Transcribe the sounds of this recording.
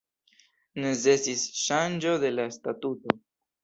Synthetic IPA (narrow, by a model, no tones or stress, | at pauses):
nezesisʃand͡ʒo̞ðe̞laest̪at̪ut̪o